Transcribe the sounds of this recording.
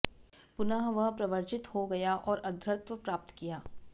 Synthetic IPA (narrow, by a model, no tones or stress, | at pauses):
pʊnaɦʋɐɦpɾɐʋəɾt͡ʃɪt̪hoɡɐjaʔɔːɾɐɾd̪ʱɾəɾt̪ʋəpɾaːp̚t̪kijaː